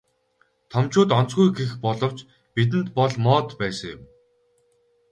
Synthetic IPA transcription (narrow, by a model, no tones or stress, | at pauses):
t̪ʰɔmt͡ɕʊːt̪ɔnt͡sɡujɡexpɔɮɞ̆wt͡ɕ | pit̪̬ɘ̆nt̪pɔɮmɔːt̪pæːsə̆ŋjʊ̰m